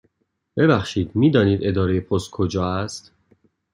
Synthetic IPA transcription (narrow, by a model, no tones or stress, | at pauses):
b̥e̞bæxʃiːd̪miːd̪ɒːniːd̪e̞d̪ɒːɾejepʰost̪̚kʰod͡ʒɒːæst̪